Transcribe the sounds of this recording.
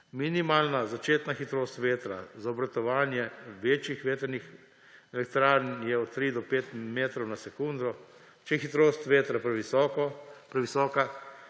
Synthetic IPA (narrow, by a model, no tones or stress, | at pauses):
minimaːlnazat͡ʃeːt̪naxit̪ɾoːst̪ʋeːt̪ɾa̰zaɔbɾat̪ɔʋaːnjɛʋeːt͡ʃjixʋeːt̪əɾnix | ɛlɛkt̪ɾaːɾnjɛɔt̪t̪ːɾiːd̪ɔpeːt̪meːt̪ɾɔwnasɛkund̪ɾɔ | t͡ʃɛxit̪ɾoːst̪ʋeːt̪ɾapɾɛʋisɔkɔpɾɛʋisɔːka